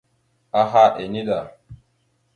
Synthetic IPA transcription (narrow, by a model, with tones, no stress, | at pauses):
a˦ɦa˦ʔe˨ni˦ɗa˨